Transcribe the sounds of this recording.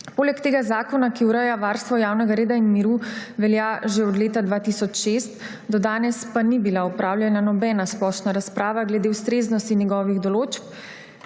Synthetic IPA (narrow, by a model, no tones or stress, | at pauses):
poːlɛkt̪eːɡazaːkɔnakiuɾəjaʋaːɾst̪ʋɔjaːwnɛɡaɾeːd̪ainmiɾuʋɛljaʒeɔd̪leːt̪ad̪ʋaːt̪isɔt͡ʃʃest̪ | d̪ɔd̪aːnɛspanibilaɔpɾaːwlʲjɛnanɔbɛːnasplɔʃnaɾaspɾaːʋaɡlɛd̪ewst̪ɾeːznɔst̪injɛɡɔːʋiɣd̪ɔloːt͡ʃp